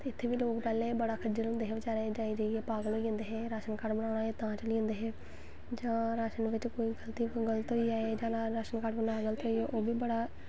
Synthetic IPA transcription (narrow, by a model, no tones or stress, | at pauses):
t̪eːɪt̪ʰːeːʋiːloːkpɛːlẽːbəɽaːkʰəd͡ʒəɾõnd̪eːɦeːʋət͡ʃaːɾad͡ʒaːiːd͡ʒaːieːpaːɡəlɦoːiə̃nd̪eːɦɛːɾaːʃənkaːɖbənaːɽ̃aːeːt̪ãːt͡ʃəliːʊ̃nd̪eːɦɛː | d͡ʒãːɾaːʃənʋɪt͡ʃkoːiːɡəlt̪iːɡəlt̪ɦoiaːed͡ʒaːlaɾaːʃənkaːɽbənaːɡəlt̪ɦoieːʔoːbiːbəɽaː